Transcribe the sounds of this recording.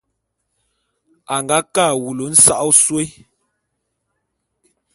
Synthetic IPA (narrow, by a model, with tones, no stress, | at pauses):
a˨ŋɡa˨˦kaː˦˨wu˨lo˨˦n̩˦sa˦ʔɔ˦swe˦